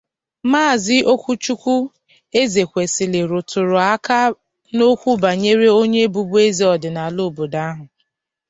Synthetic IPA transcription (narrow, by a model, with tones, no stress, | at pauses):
maː˦˨zɪ˦ʔo˦kʷu˦t͡ʃu˦kʷu˦ | e˦ze˨kʷe˨sɪ˨lɪ˨ɾʊ˨tʊ˨ɾʊ˨a˦ka˦ | no˦kʷu˦ba˨ɲe˦ɾe˦o˦ɲe˦bu˨bu˦e˦zi˨ɔ˨dɪ˨na˨lo˦˨bo˨da˦ɦʊ˨